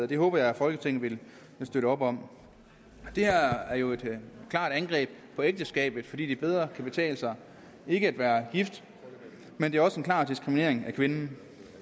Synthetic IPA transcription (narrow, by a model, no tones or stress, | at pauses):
ð̩ˠɐd̥e̝ɦɔ̰ːb̥ɐjɑ̈ɪæfɒ̽lɡ̥ət͡sʰeŋ̰n̩ʋe̝l | sd̥øɾəɒ̽b̥ɒ̽m̰ | d̥e̝hæɐ̰æɐjo̝e̝d̥kʰlɑ̰̈ːd̥ænɡ̥ʁɛ̰ːb̥pʰɒ̽eɡ̚d̥əsɡ̥ɛ̰ːb̥ð̩ˠfɒ̽dḭːd̥ib̥eð̞ˠʁɐkʰæb̥e̝t͡sʰɛ̰ːləsɑ̈ɪ | e̝ɡ̥əæd̥ʋæːɐɡ̥ifd̥ | mend̥e̝ɐɒ̽səe̝nkʰlɑ̰̈ːd̥isɡ̥ʁimine̝̰ɐ̰e̝ŋækʰʋe̝nn̩